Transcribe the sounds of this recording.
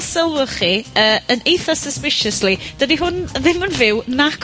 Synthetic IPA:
səlˠʊχiəːənejθɔsəspɪʃəslid̥ədiɦʊnðɪmənvɪwnakʰ

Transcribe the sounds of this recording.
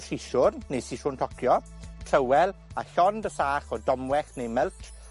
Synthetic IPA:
siʃʊrːejsiʃʊntʰɔkʰjɔ | tʰrəwɛlˠaɬɔndəsaːχɔdɔmwɛχnejmɛltʰ

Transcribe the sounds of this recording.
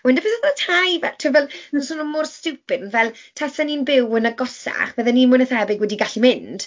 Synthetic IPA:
wɪndəpɛðɛðatʰajvɛtʰɪvɛlˠnɔnsʊnɔmʊrstɨwpɪdnvɛlˠtʰasaninbɪwənəɡɔsa̰χb̥ɛðɛninmʊnəθɛbɪɡwɛdiɡaɬimɪnd̥

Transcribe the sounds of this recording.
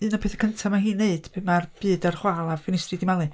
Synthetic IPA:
ɨːnɔpʰeːθə̥kʰəntʰamaɦiːnːeɨd̥pʰɨmarb̥ɨːdarχwalˠafɪnɪstridɪmalˠɨ

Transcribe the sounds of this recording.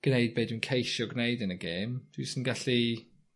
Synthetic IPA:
ɡ̥nejd̚beːdwuinkʰejʃɔɡnejdɨnəɡeːmd̥wisənɡaɬi

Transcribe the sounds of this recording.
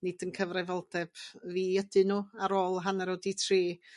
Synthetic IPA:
nɪd̥ənkʰəvravɔlˠdɛb̥viːədɨnuːaɾoːlˠɦanɛɾoditʰriː

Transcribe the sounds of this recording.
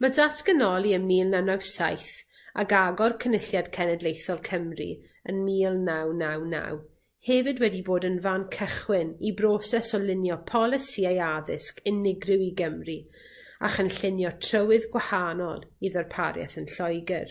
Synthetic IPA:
madaskənɔlˠiənmiːlˠnawnawsajθ | a̰kaɡɔrkʰənɪɬjad̥kʰɛnɛdlejθɔlˠkʰəmrḭ | ənmiːlˠnawnawna̰w | hɛvɨdwɛdiboːdənvankʰəχwɪnibrɔsɛsɔlɪnjɔpʰɔlˠɪsiajaðɪskɪnɪɡrɪwiɡəmri | a̰χənɬɪnjɔtʰrəwɪðɡwahanɔ̰lˠiðərpʰaɾjɛ̰θənɬɔjɡɪr

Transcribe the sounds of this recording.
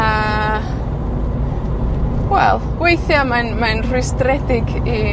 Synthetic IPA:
a | wɛlˠɡ̥wejθjamanmanr̥ʊstɾɛdɪɡi

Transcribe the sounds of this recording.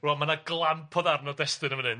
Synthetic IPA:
roːmanaɡlˠanpʰɔðarnɔdɛstɨnəmənɨn

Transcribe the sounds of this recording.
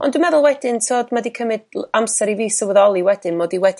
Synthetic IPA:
ɔ̰ndwɪmɛðʊlˠwɛdɪntʰoːdmadikʰəmɨd̥amsɛɾiviːsəwəðɔlˠiwɛdɪnmoːdiwɛd

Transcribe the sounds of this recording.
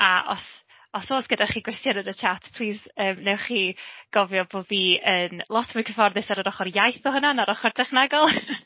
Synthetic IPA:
aʔɔ̰s | ɔsoːsɡ̥ədaχiːɡwɪstjɔnənət͡ʃʰatʰpʰl̥ˠiːzəːmnɛwχiːɡ̥ɔvjɔboːdviːənlˠɔtʰmʊjkʰəfɔrðɪsaɾəɾɔχɔrjajθɔhənanaɾɔχɔrtʰɛχnaɡɔlˠ

